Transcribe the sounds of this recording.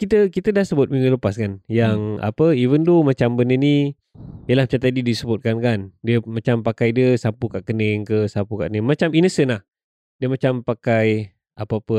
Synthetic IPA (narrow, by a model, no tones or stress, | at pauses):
kit̪əkit̪ədahsəbʊt̪̚mĩŋuləpaskanjaŋa̰pəivəndomat͡ʃambənəni | jəlahmt͡ʃamt̪adidisəbʊt̪̚kankandiəmat͡ʃampakajdiəsapukaʔkənəŋkəsapukaʔkənəŋmat͡ʃaminəsənlah | diəmat͡ʃampakaj | ʔapəapə